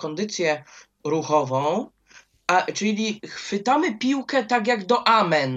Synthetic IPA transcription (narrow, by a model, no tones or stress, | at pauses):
kɔnd̪ɘt̪sʲjɛ | ɾuxɔvɔ̃w̃ | at͡ʂɘlʲixfɘt̪amɘpʲiwkɛt̪aɡʲjaɡd̪ɔʔamɛn